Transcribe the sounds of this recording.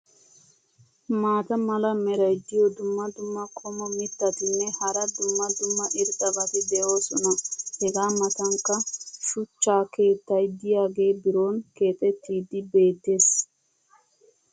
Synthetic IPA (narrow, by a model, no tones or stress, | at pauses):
maːt̪ɐmɐlɐmɛɾɐjd̪ɪjɔd̪ʊmːɐd̪ʊmːɐkʼɔmɔmɪt̪ːɐt̪ɪnːɛhɐɾɐd̪ʊmːɐd̪ʊmːɐʔɪɾt̪ʼːɐbɐt̪ɪd̪ɛʔoːsɔnɐhɛɡaːmɐt̪ɐŋkːɐʃʊt͡ʃːaːke̞ːt̪ːɐjd̪ɪjaːɡe̞ːbɪɾoːnke̞ːt̪ʼɛt̪ːiːd̪ɪbe̞ːt̪ːe̞ːs